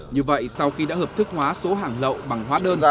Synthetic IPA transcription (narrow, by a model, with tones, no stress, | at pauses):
ɲɨ˧və̰˧˨jsa˧wxi˧ɗa̰ː˥həː˨˩p̚t̪ʰɨ˦˥k̚hwaː˨˦so˨˦ɦaː˨˩ŋlə̰˧˨wɓa˨˩ŋɦwaː˨˦ɗəː˧n˨